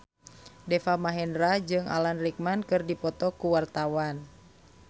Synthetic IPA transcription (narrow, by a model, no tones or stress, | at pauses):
dɛfamaɦɛndɾad͡ʒɨŋa̰lanrik̚mankɨrdipɔt̪ɔkuwart̪awan